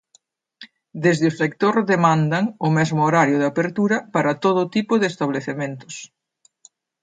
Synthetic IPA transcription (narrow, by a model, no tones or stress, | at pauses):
d̪ezðɪʊsek̚t̪oɾðemand̪ɐŋʊmɛzmʊoɾaɾjʊðapeɾt̪uɾɐpaɾɐt̪oð̞ʊt̪ipʊðɪest̪aβ̞leθement̪ʊ̥s